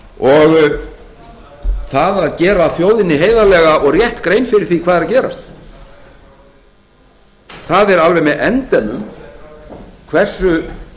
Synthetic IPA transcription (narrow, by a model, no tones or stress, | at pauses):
ɔɣ | θaðaðcɛːɾafjoːwðɪnːɪɦeːjðalɛːɣaʔɔɣrjɛht̪kɾejnfɪɾɪɾ̥θikʰvaːðɛɾacɛːɾa̰st̪ | θaðɛɾalvɛjmɛðɛnt̪ɛnːʏm | kʰvɛr̥sʏ